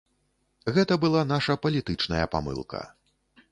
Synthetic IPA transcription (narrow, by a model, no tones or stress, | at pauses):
ɣɛt̪ɐbɨlˠan̪aʂɐpɐlʲit̪ɨt͡ʂnɐ̰jɐpa̰mɨ̰lˠkʰɐ̰